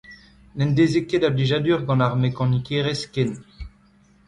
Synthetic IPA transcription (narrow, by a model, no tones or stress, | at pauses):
nɛ̃nd̪ezekedabliʒad̪yʁɡɑ̃naʁmekɑ̃nikeʁeskɛn